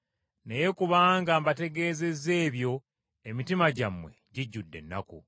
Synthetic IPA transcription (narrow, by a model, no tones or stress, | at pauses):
neje̞kuβaːŋɡaːmbate̞ɡe̞ːze̞ze̞ːβjo̞ | emitimaɟamwe̞̰ɟiɟːudːe̞̰nːa̰kṵ